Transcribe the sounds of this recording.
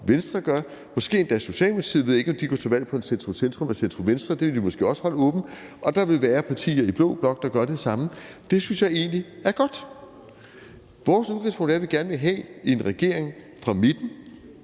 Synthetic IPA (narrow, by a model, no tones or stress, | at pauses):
ʋensd̥ʁɐɡ̥ɶɐ | mɒ̽sɡ̥e̝̰ːend̥æso̝ɕɛ̰ːlme̥ɑ̥ḭðˠʋe̝ðˠjˠe̝ɡ̥ɒ̽md̥iɡ̥ɒ̰t͡sʰeʋæl̰pʰɒ̽e̝nsend̥ʁosend̥ʁɔ̽mesend̥ʁoɔmʋensd̥ʁɐd̥e̝ʋe̝lʋimɒ̽sɡ̥e̝̰ːɒ̽sə̥hɒ̽ləɔ̽ːb̥n̩ʔɒ̽d̥ɑ̈ʋe̝lʋæːɐpʰɑ̈t͡sʰḭːɐib̥lɔ̰̽ːb̥lɒ̽ɡ̥̚d̥ɑ̈ɡ̥ɶɐɾ̥esɑ̈məd̥e̝synsjɑ̈ɪe̝̰ːnliæɐɡ̥ɒ̽d̥ | ʋɒːsuðˠɡʁispʰɔ̽ŋ̰d̥æɐʋe̝ɡ̥æɐnʋe̝ɦɛ̰e̝nʁɛɡ̥e̝ɐe̝ŋ | fʁɑ̈me̝d̥n̩